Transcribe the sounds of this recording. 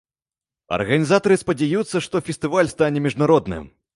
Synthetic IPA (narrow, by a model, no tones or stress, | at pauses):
ɐ̰rɣɐnʲizat̪ɐɾɨspɐd͡zʲajut̪sːɐʂt̪ɔfʲɛst̪ɨvalʲst̪anʲɛmʲiʐnaɾɔd̪nɨ̰m